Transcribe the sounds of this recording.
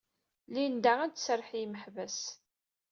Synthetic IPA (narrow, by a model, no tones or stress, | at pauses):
lind̪æʁænt̪sərˤːħjiməħvæs